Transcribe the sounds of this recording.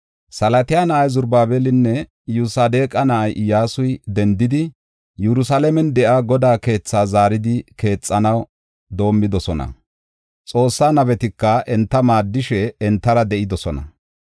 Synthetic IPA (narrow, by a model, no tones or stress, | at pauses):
sɐlɐt̪ɪjaːnɐʔɐjzʊɾbaːbɛlɪnːɛ | jʊsaːd̪e̞ːkʼɐnɐʔɐjʔɪjaːsʊjd̪ɛnd̪ɪd̪ɪ | jɛɾʊsalɛmɛnd̪ɛʔaːɡɔd̪aːke̞ːt͡sːaːzaːɾɪd̪ɪke̞ːt͡sʼːɐnɐw | d̪o̞ːmːɪd̪ɔsɔnɐ̰ | t͡sʼo̞ːsːaːnɐβɛt̪ɪkːɐʔɛnt̪ːɐmaːd̪ːɪʃɛːnt̪ːɐɾɐd̪ɛʔɪd̪ɔsɔnɐ̰